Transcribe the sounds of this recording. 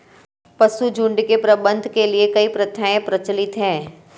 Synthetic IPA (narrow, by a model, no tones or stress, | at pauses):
pɐsud͡ʒʊ̃ɳɖkepɾɐbə̃nd̪ʱkeliekɐipɾɐt̪ʰaẽpɾɐt͡ʃlɪt̪ɦɛ̃ː